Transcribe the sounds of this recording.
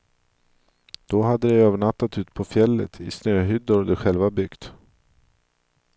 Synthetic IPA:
d̪̥ɔɦad̪ːəd̪ɛøːvəɳat̪ːat̪ʉ̟ːt̪pʰɔfjɛlːə̰t̪ʰɪ̰snøːɦʏd̪ʊɾd̪ɛɧɛlvabʏɡt̪

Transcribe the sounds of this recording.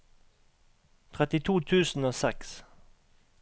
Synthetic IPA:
t̪ʰʁɛt̪ɪt̪ʰuːt̪ʰʉːsn̩oːsɛks

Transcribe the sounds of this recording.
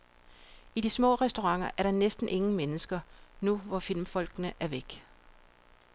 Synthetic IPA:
id̥ismɔ̰̽ːʁɛsd̥oʁɑ̈ŋ̰ɐʔæɐɾ̥ɑ̈nesd̥n̩ʔe̝ŋŋ̩menəsɡ̥ɐnuʋɒfil̰mfɒ̽l̰ɡ̥nəʔæɐʋeɡ̥

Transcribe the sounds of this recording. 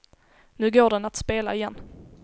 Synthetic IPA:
nʉ̟ːɡoːɖɛnat̪speːla̰ɪjɛnː

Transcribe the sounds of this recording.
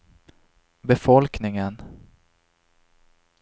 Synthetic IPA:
bɛfɔlknɪŋən

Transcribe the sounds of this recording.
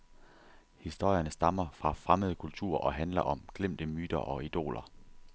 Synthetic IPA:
hisd̥o̝ɐ̰jɐnəsd̥ɑ̈mɐfʁɑ̈fʁaməð̞ˠəkʰult͡sʰṵɐ̰ʔɒ̽ɦænlɐʔɒ̽mɡ̥lem̰d̥əmyːd̥ɐʔɒ̽id̥o̝̰ːlʔɐ

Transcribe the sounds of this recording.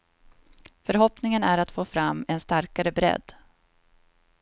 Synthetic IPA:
fœɾɦɔpnɪŋənæɾat̪foːfɾamːɛnst̪aɾkaɾəbɾɛ̰d̪ː

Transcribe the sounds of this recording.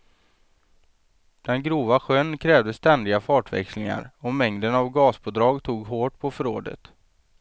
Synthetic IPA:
d̪̥ɛnɡɾuːvaɧœnkʰɾɛːvd̪əst̪ɛnd̪ɪɡafɑːʈvɛ̰kslɪŋa̰ɾɔmɛŋd̪ənavɡɑːsbʰoːd̪ɾɑːɡt̪ʰuːɡɦoːʈ̚pʰɔfœɾoːd̪ə̰t̪

